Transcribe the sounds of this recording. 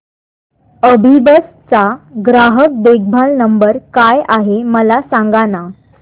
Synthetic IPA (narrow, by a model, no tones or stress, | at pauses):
əbʱibəs | t͡saɡɾaɦək̚d̪eɡ̚bʱalnəmbəɾkajaɦeməlasãŋɡana